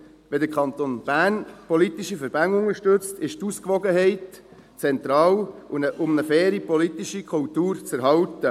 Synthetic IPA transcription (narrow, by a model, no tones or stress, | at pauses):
ʋɛdəɾkʰχɑnt̪onb̥æːnpɔlit̪iʃifəɾb̥ænʊŋəʃtɵt͡stɪʃtuskʋɔɡəɦɛɪt | t͡sɛnt̪ɾɑːləʔʊmnəfɛːɾipɔlit̪iʃikʰʊltuːɾt͡sæɾɦɑltə